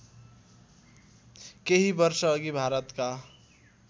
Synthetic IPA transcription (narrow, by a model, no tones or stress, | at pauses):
keɦibʌɾsʌːɡibʱaɾət̪ka